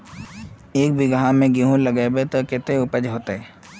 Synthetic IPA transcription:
eːk̚bʱiɡɦãmẽɡiɦũləɡeːbet̪okɪt̪eʊpəd͡ʒɦoːt̪eeː

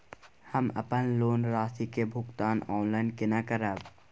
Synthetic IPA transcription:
həmɐ̰pənloːnɾaːsikebʱʊkt̪aːnɔːnlaːɪnkenakəɾəb

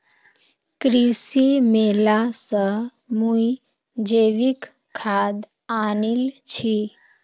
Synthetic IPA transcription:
kɾisimelasə | mũi | d͡ʒeʋik | kʰːad̪ | anilt͡ɕʰi

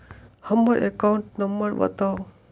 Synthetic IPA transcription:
həmːəɾʔekauɳʈnəmbəɾbə̰t̪aw

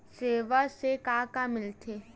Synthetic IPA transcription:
seːʋasekaːkamɪlt̪ʰeː

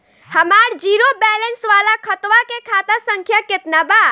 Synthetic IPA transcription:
həmaɾd͡ʒiɾobɛlensʋalakʰət̪ʋakekʰat̪asəŋkʰjaket̪naba

